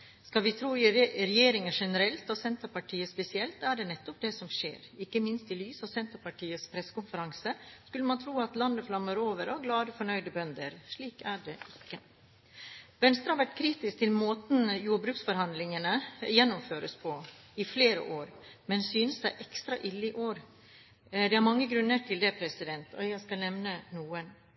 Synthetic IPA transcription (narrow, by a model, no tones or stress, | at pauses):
skɑlʋɪt̪ʰɾuːɪɾɛjeːɾɪŋəʂɛnəɾɛlt̪ɔsɛnt̪əɾpɑʈʰiːəspɛsɪɛlt̪æɖɛnɛt̪ːɔp̚d̪ɛsɔmʂḛːɾɪkːəmɪnst̪ɪlyːsɑʋsɛnt̪əɾpɑʈʰiːəspʰɾɛsːə̥kʊmfəɾɑŋsəskʉlːəmɑnt̪ʰɾuːɑt̪lɑnːəflɑmːəɾoːʋəɾɔɡlɑːd̪əfɔɳœʏd̪əbœnd̪əɾʂɭiːkæɖeːɪkːə | ʋɛnst̪ɾɑhɑʋæʈkʰɾiːt̪ɪsk̚t̪ʰɪlmoːt̪n̩juːɖbɾʉːksfɔɾhɑnd̪lɪŋənəjɛnːʊmføːɾəspʰɔɪfleːɾə̰ʔoːɾmɛnsyːnəssæɪʔɛkst̪ɾɑʔɪlːɪʔoːɾ | d̪ɛhɑɾmɑŋːəɡɾʉnːəʈʰɪld̪ɛpʰɾɛsɪd̪ɛnt̪ɔʏjæɪskɑlnɛʋnənuːən